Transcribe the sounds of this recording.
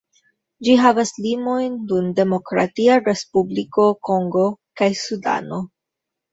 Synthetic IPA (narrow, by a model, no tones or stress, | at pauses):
d͡ʒiɦavaslimo̞jndunde̞mo̞kɾa̰tiaɾe̞spubliko̞ko̞ŋɡo̞kajsuda̰no̞